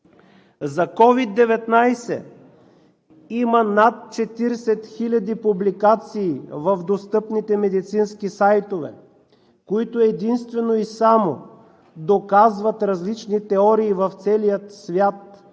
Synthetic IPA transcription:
zɐkɔvid̪ːɛvɛt̪najsɛ̰ | imənat̪̚t͡ʃɛt̪iɾsɛt̪xilʲɐd̪ipublikat̪siːvəfd̪ost̪ɤpnit̪ɛmɛd̪it̪sinskisajt̪ovɛ̰ | koit̪oɛd̪inst̪vɛnoisamo̰ | d̪okazvɐt̪ɾɐzlit͡ʃnit̪ɛɔɾiːvɐft̪sɛlijət̪svʲjat̪̚

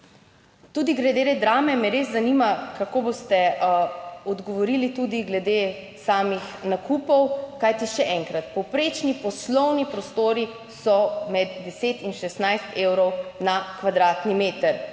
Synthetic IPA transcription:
t̪ud̪iɡlɛd̪eːɾɛd̪ɾaːmɛmɛɾeːzzanimakakoːbost̪ɛ | ɔd̪ɡɔʋɔɾilit̪ud̪iɡlɛd̪eː | saːmixnakuːpɔwkajt̪iʃɛʔɛːŋkɾat̪pɔwpɾeːt͡ʃnipɔslɔwnipɾɔst̪oːɾi | sɔmɛd̪ːɛseːt̪inʃɛst̪najst̪eːwɾɔwnakʋad̪ɾaːt̪nimeːt̪əɾ

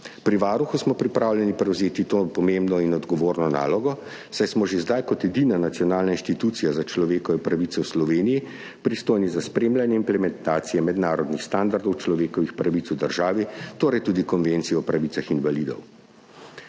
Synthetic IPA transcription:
pɾiʋaːɾuxusmɔpɾipɾaːwljɛnipɾɛwzeːt̪it̪oːpɔmembnɔinɔd̪ɡɔʋoːɾnɔna̰ːlɔɡɔ | sajsmɔʒezd̪ajkɔt̪ɛd̪iːnanat̪sijɔnaːlnainʃt̪it̪uːt̪sijazat͡ʃlɔʋeːkɔʋɛpɾaʋit̪ɛwslɔʋeːniji | pɾist̪oːjnizaspɾeːmlanjɛimplɛmɛnt̪aːt̪sijɛmɛd̪naːɾɔd̪nixst̪and̪aɾd̪ɔwt͡ʃlɔʋeːkɔʋixpɾaʋit̪sud̪əɾʒaːʋit̪oːɾɛjt̪uːd̪ikɔnʋent̪sijɛɔpɾaʋiːsaxinʋalid̪ɔ̰w

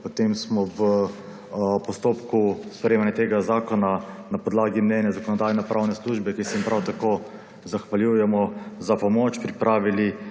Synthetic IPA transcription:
pot̪emsmɔʋə | pɔst̪oːpkuspɾɛjeːmanjat̪eːɡazaːkɔnanapɔd̪laːɡimnɛːnjazakɔnɔd̪aːjnapɾaːwnɛsluːʒbɛkisɛjimpɾʔawt̪akoː | zaxʋaljuːjɛmɔzapɔmɔːt͡ʃpɾipɾʔaːʋili

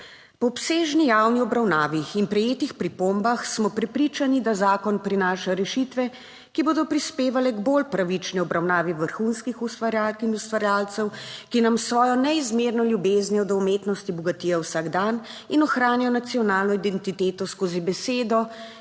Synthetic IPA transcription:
pɔːpseːʒnijawniɔbɾawnaːʋiinpɾɛjeːt̪ixpɾipombaxsmɔpɾɛpɾit͡ʃanid̪azaːkɔnpɾinaːʃaɾɛʃit̪ʋɛ | kiboːd̪ɔpɾispeːʋalɛɡbolpɾaʋit͡ʃniɔbɾawnaːʋiʋəɾxunskixust̪ʋaɾjalkinust̪ʋaɾjaːlt̪sɛwkinamsʋɔːjɔnɛizmeːɾnɔljubeːznjɛd̪ɔumeːt̪nɔst̪ibɔɡat̪ijawsaːɡd̪aninɔxɾaːnjɛjɔnat̪siɔnaːlnɔid̪ɛnt̪it̪eːt̪ɔskoːzibɛseːd̪ɔ

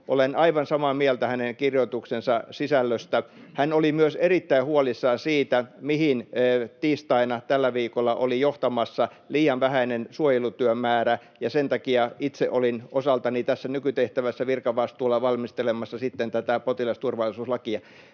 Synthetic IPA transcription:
ʔo̰lenɑiʋɑnsɑmɑːmiælt̪æhæneŋkirjoit̪uksensɑsisælːøst̪æhænolimyøserit̪ːæihuolisːɑːnsiːt̪æmihinːt̪iːst̪ɑinɑt̪ælːæʋiːkolːɑʔolijoht̪ɑmɑsːɑ | liːjɑʋʋæhæinensuojelut̪yømæːɾæ | jɑsent̪ɑkiɑʔit̪sḛʔolinʔosɑlt̪ɑnit̪æsːænykyt̪eht̪æʋæsːæʋirkɑʋɑst̪uːlːɑʋɑlmist̪elemɑsːɑsit̪ːent̪æt̪æpot̪ilɑst̪urʋɑlˑisuːslɑkiɑ

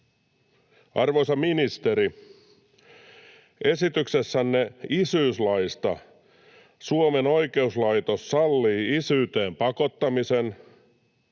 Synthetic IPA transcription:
ɑrʋosɑminist̪e̞ɾi | e̞sit̪yksesːænːeisyːslɑjst̪ɑ | suome̞no̞jke̞uslɑjt̪o̞sːɑlːiːisyːt̪eːmpɑko̞t̪ːɑmisen

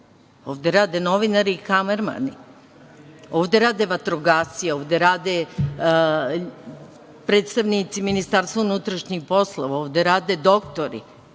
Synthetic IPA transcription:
o̞ːʋd̪eɾaːd̪enoʋinaɾiːkameɾma̰ni | o̞ːʋd̪eɾaːd̪eʋat̪ɾoɡaːsijeo̞ːʋd̪eɾaːd̪e | pɾeːt̪st̪aʋnit̪siminist̪aːɾst̪vaunut̪ɾaʃɲixpo̞slˠoʋaoːʋd̪eɾaːd̪ed̪o̞kt̪oɾḭ

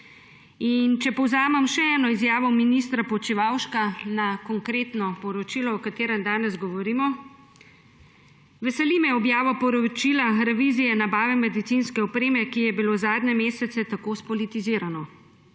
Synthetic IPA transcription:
int͡ʃɛpɔwzaːmɛmʃɛɛːnɔizjaːʋɔminist̪ɾapɔt͡ʃiʋawʃkanakɔŋkɾeːt̪nɔpɔɾɔt͡ʃiːlɔɔkat̪eːɾɛmd̪aːnɛzɡɔʋɔɾimɔ | ʋɛsɛlimɛɔbjaːʋɔpɔɾɔt͡ʃilaɾɛʋiːzijɛnabaːʋɛmɛd̪it̪sinskɛɔpɾeːmɛkijɛbilozaːd̪nɛmeːsɛt̪sɛt̪akoːspɔlit̪iziːɾanɔ

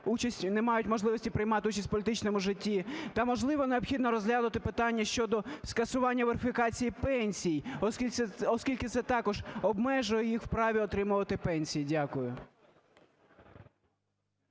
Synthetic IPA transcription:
ut͡ʃɐsʲtʲnɛmɑjʊtʲmɔʒlˠɪʋɔsʲtʲipɾɪjmɑt̪ɪut͡ʃɐsʲt̚ʲpɔlʲɪt̪ɪt͡ʃnɔmʊʒɪtʲːit̪ɑmɔʒlˠɪʋɔneɔpxʲid̪nɔɾɔzɦlʲanʊt̪ɪpɪt̪ɑnʲːɐʃt͡ʃɔd̪ɔskɐsʊʋɑnʲːɐʋeɾɪfʲɪkɑt͡sʲijipɛnʲsʲijɔskʲilʲɛɔskʲilʲkɪt̪sɛt̪ɑkɔʒɔbmɛʒʊjɛjixwpɾɑʋʲiɔt̪ɾɪmʊʋɐt̪ɪpɛnʲsʲijidʲakʊjʊ

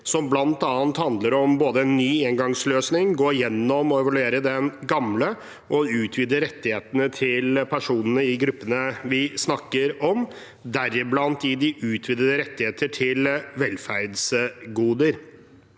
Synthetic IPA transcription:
sɔmblɑnt̪ɑːnt̪hɑnd̪ləɾɔmboːd̪əɛnːyːɛŋɡɑŋsløːsnɪŋɡoːɾjɛnːɔmɔɛʋɑlʉeːɾəd̪ɛnɡɑmlə | ʔɔʉːt̪ʰʋɪd̪əɾɛt̪ːɪheːt̪ənət̪ʰɪlpʰæʂuːnənəɪɡɾʉpːənəʋɪsnɑkːəɾɔm | d̪æɾɪblɑnt̪ɪd̪ɪʔʉːt̪ʰʋɪd̪əd̪əɾɛt̪ːɪheːt̪əʈʰɪlʋɛlfæɾd̪sɡuːd̪əɾ

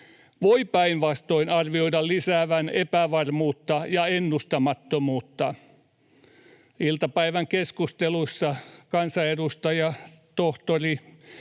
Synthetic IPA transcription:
ʋoipæinʋɑst̪oinɑrʋioidɑllisæːʋænepæʋɑrmuːt̪ːɑjɑenːust̪ɑmɑt̪ːomuːt̪ːɑ | ilt̪ɑpæiʋæŋkeskust̪elusːɑkɑnsɑedust̪ɑjɑt̪oht̪ori

